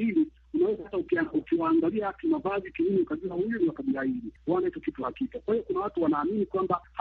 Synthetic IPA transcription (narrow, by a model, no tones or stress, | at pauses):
ili | unawɛzaataukukiwaːŋɡaliakimavazikininiukaʄuahujuniwakaɓiɾaiɗiwaanaitɔkitulakitɔkwahiɔkunawatuwanaːminikwambah